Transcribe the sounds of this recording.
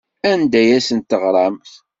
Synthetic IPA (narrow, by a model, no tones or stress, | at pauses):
ænd̪æjæsənt̪ːəʁɾˤɑmθ